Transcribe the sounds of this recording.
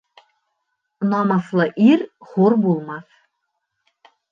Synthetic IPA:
nɑmɑθlˠɤʔiɾχoɾbulˠmɑθ

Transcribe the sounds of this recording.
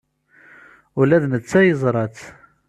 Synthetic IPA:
ʊlæðnət͡sːæjəzˤɾˤɑt͡s

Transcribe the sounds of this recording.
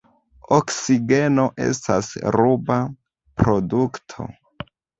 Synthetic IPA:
oksiɡe̞no̞ʔe̞̰sta̰sɾuba | pɾo̞duktʰo̞̰

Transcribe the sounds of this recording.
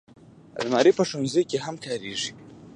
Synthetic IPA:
a̰lmaɾipəʂonzekʲeɦamkʰaɾeʐi

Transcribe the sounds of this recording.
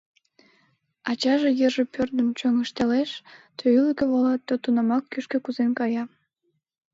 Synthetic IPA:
ɑt͡ɕɑʒejəʒepørd̪ənt͡ɕøŋəʃt̪eleʃt̪ʰøyləkĕβolɑt̪ːot̪unɑmɑkːyʃkĕkuzenkɑjɑ

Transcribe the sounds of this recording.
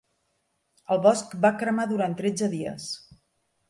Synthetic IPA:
əlˠβɔskbakɾəmaðuɾant̪ɾed͡zəðiə̰s

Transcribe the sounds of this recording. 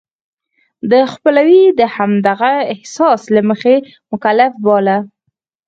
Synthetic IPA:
d̪əxpəlawid̪əhamd̪aɣaɪhsɑslaməxe | mʊkalafbɑla

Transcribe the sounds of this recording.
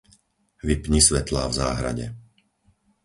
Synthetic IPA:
ʋipɲisʋɛt̪la̰ːvzaːɦɾa̰ɟɛ̰

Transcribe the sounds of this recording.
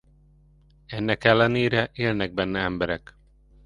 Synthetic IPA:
ɛnːɛkɛlːɛneːɾɛʔeːlnɛɡ̚bɛnːɛɛmbɛɾɛk

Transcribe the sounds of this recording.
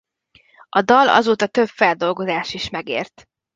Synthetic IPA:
ʔɒd̪ɒlɒ̰zoːt̪ɒt̪øbfɛld̪o̞lɡo̞zaːʃiʃmɛɡḛːrt̪

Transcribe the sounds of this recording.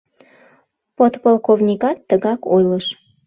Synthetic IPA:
pot̪polˠkovnʲikɑt̪ːəɣɑkojləʃ

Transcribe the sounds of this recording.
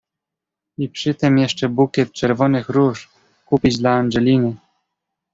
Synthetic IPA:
ipʂɘt̪ɘmjɛʂt͡ʂɛbukʲɛt̪̚t͡ʂɛɾvɔnɘxɾuʂ | kupʲid͡ʑd̪laanʐɛlʲinɘ

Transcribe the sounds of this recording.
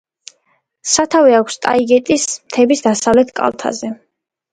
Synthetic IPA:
sat̪ʰaviakʷʰst̪ʼa̰iɡɛt̪ʼismt̪ʰɛbisd̪asavlɛt̪ʰkʼa̰lˠt̪ʰa̰zɛ

